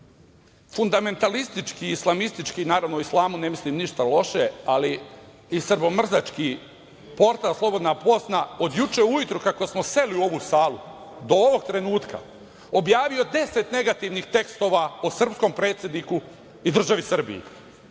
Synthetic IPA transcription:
fund̪ame̞nt̪alist̪it͡ʃkiːslˠamist̪it͡ʃkiːnaːɾaʋnooislˠaːmune̞mislimniʃt̪alo̞ʃe̞ali | isr̩bo̞mr̩zat͡ʃki | po̞ɾt̪alslˠo̞bo̞d̪napo̞snao̞d̪jut͡ʃeujut̪ɾukako̞smo̞se̞liuo̞ʋuːsaːlu | d̪o̞oʋo̞ɡ̚t̪ɾe̞nuːt̪ka̰ | o̞bjaːʋio̞d̪e̞set̪ne̞ɡat̪iʋnixt̪e̞kst̪o̞ʋaosr̩psko̞mpɾe̞ːt̪sʲjed̪niku | id̪r̩ʒaʋisr̩bḭjḭ

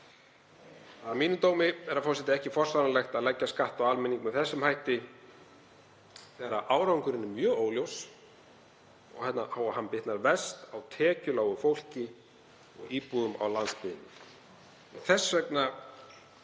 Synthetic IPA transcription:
aðamiːnʏmt̪oːwmɪɛɾafɔrsɛt̪ɪɛhcɪfɔr̥sanalɛxt̪aðlɛcːaskaht̪awalmɪniŋkmɛðθɛsːʏmhajht̪ɪ | θɛːɾaʔaːwɾawŋkʏɾɪnːɪmjœːoːwljows | ɔ̰ɣhɛt̪nahaːwahanpɪht̪naɾvɛst̪awt̪ʰɛːcʏlaːwɣʏfowl̥cɪ | ɔ̰ɣiːpuɣʏma̰wlanspɪðɪnːʏ | ɛnθɛsːœkna

